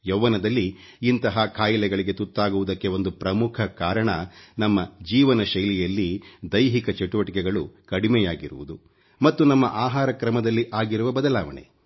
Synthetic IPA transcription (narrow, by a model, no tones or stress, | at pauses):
jɐʋːɐnɐd̪ɐlːiː | nt̪ɐɦɐkʰaːjilɛɡɐɭiɡe̞t̪ut̪ːaːɡuʋud̪ɐkːe̞o̞nd̪upɾɐmukʰɐkaːɾɐɳɐnɐmːɐd͡ʒiːʋɐnɐʃɐjlɛjɐlːid̪ɐjɦikɐt͡ʃeʈuʋɐʈikɛɡɐɭukɐɽimɛjaːɡiɾuʋud̪u | mɐt̪ːunɐmːɐ̰ʔaːɦaːɾɐkɾɐmɐd̪ɐlːiʔaːɡiɾuʋɐbɐd̪ɐlaːʋɐ̰ɳḛ